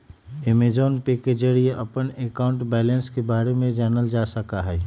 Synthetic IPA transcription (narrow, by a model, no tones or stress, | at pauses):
ɪmed͡ʒoːnpeked͡ʒəɾieʔɐpənekaʊ̃ɳʈbɛːlə̃nskebaːɾemẽd͡ʒaːnəld͡ʒaːsəkaɦɛː